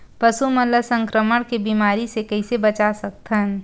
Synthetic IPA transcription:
pɐsumɐləsə̃ŋkɾəməɽ̃kebiːmaːɾisekɐɪsebɐt͡ʃasɐk̚t̪ən

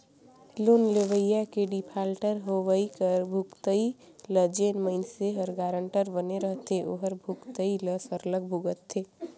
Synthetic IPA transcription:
loːnleʋəjːakeɖipʰaːlʈəɾɦoʋəikəɾbʱukt̪əi | ləd͡ʒenməɪnseɦəɾɡaːɾəɳʈəɾbəneɾəɦt̪eʔoɦəɾbʱukt̪əiləsəɾləɡ̚bʱuɡət̪ʰːeː

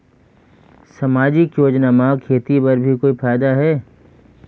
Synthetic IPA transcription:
sɐmaːd͡ʒikjoːd͡ʒnamãkʰeːt̪ipɐɾbʱikoːifaːjd̪aɦɛː

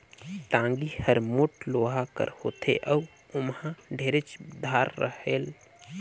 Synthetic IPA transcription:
ʈãːŋɡihəɾmoʈloːɦakə̰ɾhoːt̪ʰḛʔə | ʊmhãɖʱeːɾet͡ʃd̪ʱaːɾːəheːl

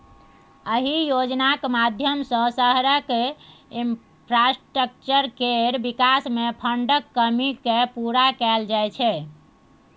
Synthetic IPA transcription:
əɦijod͡ʒnakmad̪ʱjəmsə̃səɦɾəkim | pʰɾasʈɾək̚t͡ʃəɾkeɾbikasmepʰəɳɖəkːəmikepuɾakɛld͡ʒajt͡ʃʰɛ

